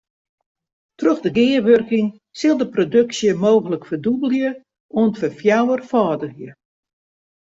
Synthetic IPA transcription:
trøxdəɡɪːərʋørkɪŋ | sɪlˠdəprodøksjəmoːɣələkfərdubəlˠjə | oəntfəfjawərfɔːdəɣjə

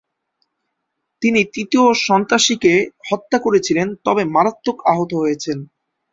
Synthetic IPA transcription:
t̪init̪it̪ioʃɔnt̪ɾaʃikehɔt̪ːakoɾet͡ɕʰilent̪ɔbemaɾat̪ːokaɦot̪oɦojet͡ɕʰen

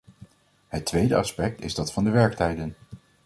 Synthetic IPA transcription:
ɦətʋejdəɑspɛk̚tɪzdɑtfɑndəʋɛɹktɛjdən

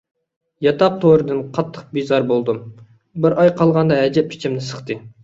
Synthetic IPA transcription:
jɑt̪ʰɑq̚t̪ʰoɾɨd̪ɨnqʰɑt̪ʰːə̥q̚bizɑɾbolˠd̪ɨm | bɪɾʔɑjqʰɑlˠʁɑnd̪ɑɦɛd͡ʒɛpʰi̥t͡ʃʰimnɪsə̥χt̪ɨ

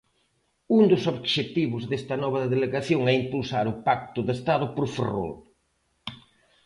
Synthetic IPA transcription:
und̪ʊsoβʃet̪iβʊzðest̪ɐnɔβɐðeleɣaθjoŋɛimpulsaɾʊpak̚t̪ʊðest̪aðʊpoɾfero̰l

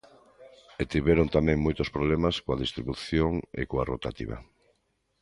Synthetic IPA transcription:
et̪iβɛɾont̪amẽŋmojt̪ospɾoβlemaskoaðist̪ɾiβuθjoŋḛkoarot̪at̪ḭβa̰

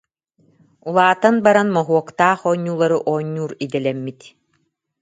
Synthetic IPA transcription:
ulˠaːt̪anbaɾanmɔɦuɔkt̪aːχɔːɲːuːlˠaɾɯʔɔːɲːuːɾid̪ɛlɛmːit̪

